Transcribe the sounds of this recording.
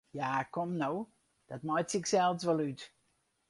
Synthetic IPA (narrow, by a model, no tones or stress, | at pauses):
jakʰɔmnow | d̥ət̚majtsɪksɛlˠsʋɛlˠyt